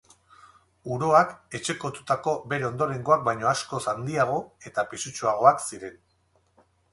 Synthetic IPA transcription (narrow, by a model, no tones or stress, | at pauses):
uɾo̞ake̞t͡ʃe̞ko̞t̪ut̪ako̞be̞ɾe̞o̞nd̪o̞ɾe̞ŋɡo̞ak̚bajɲo̞asko̞sand̪iaɣ̞o̞e̞t̪apisut͡ʃuaɣ̞o̞aksiɾe̞n